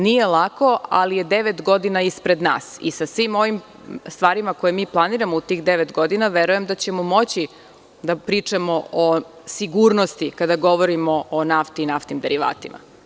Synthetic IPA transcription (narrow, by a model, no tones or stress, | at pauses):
nije̞lˠako̞a̰lije̞d̪eʋet̪ɡo̞d̪inaispɾe̞d̪na̰ːsḭsasʋimo̞ʋim | st̪ʋaːɾimako̞jemiːplˠaniːɾamout̪iːxd̪eʋet̪ɡo̞d̪inaʋe̞ɾuje̞md̪at͡ɕe̞momo̞t͡ɕi | d̪apɾiːt͡ʂamo̞o | siɡuːɾno̞st̪ikad̪aɡo̞ʋoɾimo̞onaft̪iːnaft̪nimd̪eɾiʋa̰ːt̪ima̰